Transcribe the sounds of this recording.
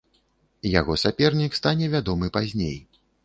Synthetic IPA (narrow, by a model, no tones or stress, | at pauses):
jaɣɔsapʲɛrnʲikst̪anʲɛvʲad̪ɔmɨpazʲnʲḛj